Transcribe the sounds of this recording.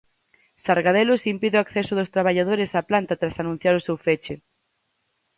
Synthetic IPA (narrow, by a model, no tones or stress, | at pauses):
saɾɣaðelosimpiðeoakθɛsʊðʊst̪ɾaβ̞aʎað̞oɾɪsaplant̪at̪ɾasanũn̟θjaɾʊsewfet͡ʃɪ